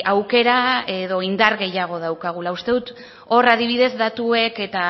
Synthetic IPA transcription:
awke̞ɾae̞ðo̞ind̪aɾɣe̞jaɣ̞o̞ð̞awkaɣ̞ulaust̪e̞ðut̪ | o̞raðiβiðe̞zd̪at̪ue̞ke̞t̪a

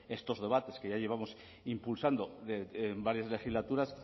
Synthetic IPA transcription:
e̞st̪o̞zðe̞βat̪e̞ske̞ʝaje̞β̞amo̞s | impulsand̪o̞ebaɾjazle̞xizlat̪uɾas

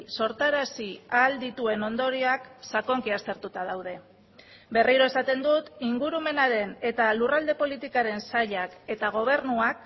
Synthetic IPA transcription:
so̞ɾt̪aɾasiald̪it̪ue̞no̞nd̪o̞ɾiaksako̞ŋkiast̪e̞ɾt̪ut̪að̞awð̞e̞ | be̞riɾo̞e̞sat̪e̞nd̪ut̪iŋɡuɾume̞naɾe̞ne̞t̪alurald̪e̞po̞lit̪ikaɾe̞nsaʎake̞t̪aɣ̞o̞β̞e̞ɾnuak

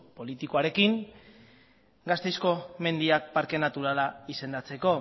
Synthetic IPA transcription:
po̞lit̪ikoaɾe̞kiŋ | ɡast̪e̞jsko̞me̞nd̪iak̚paɾke̞nat̪uɾalaise̞nd̪at͡se̞ko̞

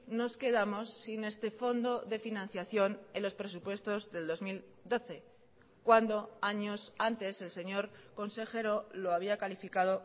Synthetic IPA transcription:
no̞ske̞ðamo̞sːine̞st̪e̞fo̞nd̪o̞ðe̞finãn̟θjaθjo̞nelo̞spɾe̞supwe̞st̪o̞zðe̞ld̪o̞zmil | d̪o̞θe̞ | kwand̪o̞aɲo̞sant̪e̞se̞lse̞ɲo̞ɾko̞nse̞xe̞ɾo̞lo̞aβ̞iakalifikað̞o̞

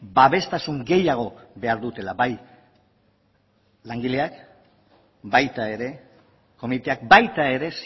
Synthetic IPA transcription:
baβe̞st̪asuŋɡe̞jaɣ̞o̞βe̞aɾðut̪e̞labaj | laŋɡile̞ak | bajt̪ae̞ɾe̞ | ko̞mit̪e̞ak̚bajt̪ae̞ɾe̞s

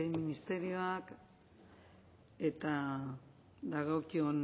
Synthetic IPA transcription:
eminist̪e̞ɾio̞ak | e̞t̪a | d̪aɣo̞kion

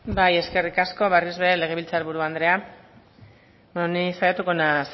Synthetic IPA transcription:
baje̞ske̞rikasko̞βerizβeele̞ɣ̞e̞βilt͡saɾβuɾuand̪ɾe̞a | monisajat̪uko̞nas

